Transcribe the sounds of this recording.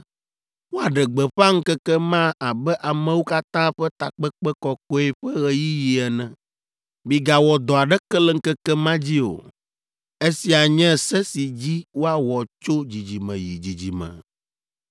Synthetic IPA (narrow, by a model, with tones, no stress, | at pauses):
wo˦a˨ɖɛ˨ɡ͡bɛ˨ɸa˦ŋ̩˦kɛ˦kɛ˦mã˦a˨bɛ˦ʔa˨mɛ̃˨wu˦ka˦t̪ã˦ɸɛ˦t̪a˨k͡pɛ˦k͡pɛ˦kɔ˨ko˦e˨ɸɛ˦ɣɛ˨ji˦ji˨ɛ˨nɛ̃˨ | bi˦ɡa˨wɔ˨d̪ɔ˨a˨ɖɛ˦kɛ˦lɛ˦ŋ̩˦kɛ˦kɛ˦mã˦d͡ʑi˦o̰˨ | e˦si˨a˨ɲɛ̃˦˨sɛ˦si˨d͡ʑi˦wo˦a˨wɔ˨t͡ʃo˦d͡ʑi˨d͡ʑi˨mɛ̰̃˨ji˨d͡ʑi˨d͡ʑi˨mɛ̰̃˨